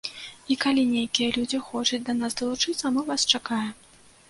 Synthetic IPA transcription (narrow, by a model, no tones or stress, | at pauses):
ikalʲinʲejkʲijɐlʲud͡zʲixɔt͡ʂɐt͡sʲd̪ɐnasd̪ɐlˠut͡ʂɨt̪sɐmɨvast͡ʂakajɛm